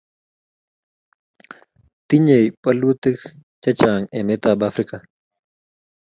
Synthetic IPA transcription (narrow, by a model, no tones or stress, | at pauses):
t̪iɲejpʼɐlut̪ikt͡ʃɐt͡ʃaːŋeːmet̪aːbaːfɾika